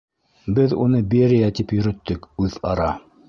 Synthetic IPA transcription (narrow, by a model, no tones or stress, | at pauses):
bɘðunɤbeɾijæt̪ipjɵ̆ɾɵ̆t̪ːɵkʉðɑ̰ɾɑ